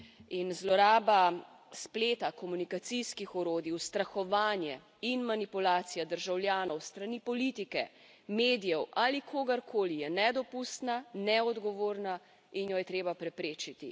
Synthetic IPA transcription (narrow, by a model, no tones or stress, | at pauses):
inzlɔɾaːba | spleːt̪akɔmunikat̪siskixɔɾoːd̪iwst̪ɾaxɔʋaːnjɛ | inmanipulaːt̪sijad̪əɾʒawljaːnɔwst̪ɾanipɔlit̪ikɛ | meːd̪ijɛwʔaːlikʰoːɡaɾkʰoːlijɛnɛd̪ɔpust̪nanɛɔd̪ɡɔʋoːɾna | injɔjɛt̪ɾeːbapɾɛpɾeːt͡ʃit̪i